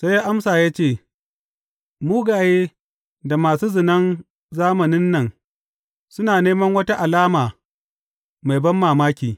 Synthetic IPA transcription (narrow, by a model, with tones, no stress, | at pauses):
sa˦jːaː˦ʔa˦msaː˨jaː˦t͡ʃeː˦˨ | muː˦ɡaː˨jeː˦ | da˨maː˨suː˦zɪ˨nɐ˦n | zaː˦mɐ˨nɪ˦nːɐ˨ŋ | sʊ˦naː˨neː˦mɐ˦ŋwɐ˦ta˦ʔa˨laː˦maː˨ | ma˨jbɐ˦mːaː˨maː˦kʲiː˨